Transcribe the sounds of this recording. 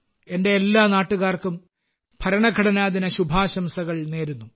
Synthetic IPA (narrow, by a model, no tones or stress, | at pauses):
e̞nde̞ːlːaːnaːʈːuɣaːrkum | pʰɐɾɐɳɐɡʱɐɽɐnaːðinɐɕubʱaːɕɐmsɐɣɐɭne̞ːɾunːu